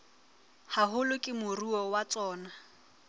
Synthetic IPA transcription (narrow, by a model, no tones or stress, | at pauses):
haɦʊlʊkʼɪmʊruɔwat͡sʼɔːna